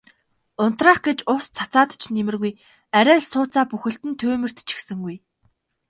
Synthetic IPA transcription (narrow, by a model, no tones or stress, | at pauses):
ʊn̥t̪raːχɡ̥et͡ɕʊst͡sʰḁt͡saːt̪t͡ɕʰnemɘ̆rɣuj | æɾʲæːɮsʊːt͡saːpuxɘ̆ɬt̪ɘ̆nt̪ʰɵːmɘ̆r̥t̪t͡ɕʰi̥xsɘ̆ŋɡuj